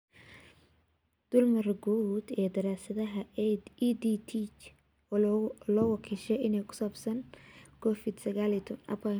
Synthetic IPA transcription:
d̪̥ʊlmɐrɡuːd̪ɛːd̪ɐɾaːsɐðɐɦɐid̪it̪ʰit͡ʃ | lɔːɣʊkʰiʃɛɪnɛjkʰʊ̥saːbsɐnkʰɔfɪd̪sɐɣaːlɪt̪ʰʊnɐ̰pɐ

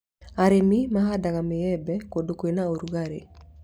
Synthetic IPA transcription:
aɾemimaɦadaɣamejɛbɛkodokoenaoɾuɣaɾḛ

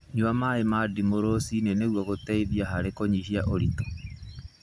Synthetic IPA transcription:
ɲuamaemadimoɾosineneɣwaɣotɛiðjaɦaɾekoɲihiaʔoɾitɔ̥

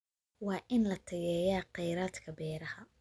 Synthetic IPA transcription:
wɑːʔɪnlɐt̪ʰɐjɛːjaːqɛjɾaːd̪kʰɐbɛːɾɐhɐ

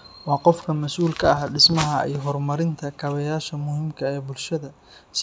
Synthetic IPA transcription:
wɑːqɔfkʰɐmɐsuːlkʰɐɐhɖɪsmɐɦɐḭjɦɔrmɐɾɪnt̪ʰɐkʰɐβɐjaːʃɐmʊhimkʰɐɛːbʊlʃɐðɐ | s

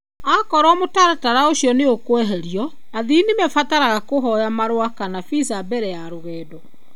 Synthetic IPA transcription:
akɔɾɔmotaɾataɾaoɕjɔneokwɛɦɛɾiɔ | aðinemɛfataɾaɣakoɦɔjamaɾwakanafisabɛɾɛjaɾoɣɛːdɔ

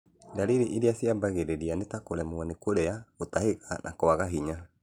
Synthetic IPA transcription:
daliɾiʔiɾiasiabaɣeɾeɾianetakoɾɛmuanekoɾɛaotahekanʔa̰kɔaɣaɦiɲa

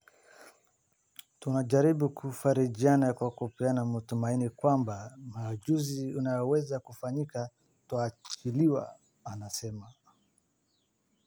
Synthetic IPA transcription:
tunaʄaɾibukufaɾiʄianajakuwakɔpianamatumainikwambamad͡ʒuziunajɔwɛzakufaɲika | twaːt͡ʃiliwa̰ | anasɛma

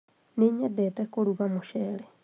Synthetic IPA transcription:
niɲedetekuluɣamuʃeːle

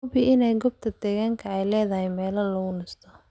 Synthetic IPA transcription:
bɪʔɪnɛjɡɔb̚t̪ʰɐd̪̥ɛːɣaːŋkʰɐɛjlɛːðɐhɛjmɛːlɐlɐɣʊnɪst̪ʰɔ

